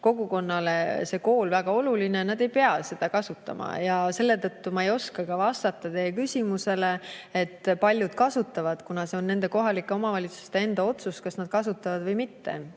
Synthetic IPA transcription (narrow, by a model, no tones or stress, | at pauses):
ko̞ɡuko̞nːɑlese̞ko̞ːlvæɡ̥ɑo̞lulinenɑd̪e̞jpeɑse̞d̪̥ɑkɑsut̪ːˑɑ̰mɑ̰jɑse̞lːe̞t̪ɤt̪ːumɑejo̞skɑkɑvɑst̪ɑt̪ːɑt̪e̞jekysʲimuse̞le̞et̪ːpɑlʲjud̪̥̚kɑsut̪ːˑɑvɑd̪̥kunɑse̞o̞nːe̞nd̪e̞ko̞ɦɑlikːˑe̞o̞mɑvɑlʲit̪su̥st̪e̞e̞nd̪ɑo̞t̪suskɑsnɑd̪̥kɑsut̪ːˑɑvɑd̪vɤjmit̪ːe̞̰